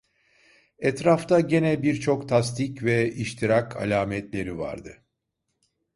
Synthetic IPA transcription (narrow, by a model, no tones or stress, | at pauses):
ɛt̪ɾaft̪ʰaɟe̞nɛbiɾt͡ʃʰo̞kt̪ʰast̪ʰicvɛiʃt̪ʰiɾakʰa̰lʲaːmɛt̪lʲe̞ɾiva̰ɾd̪ɯ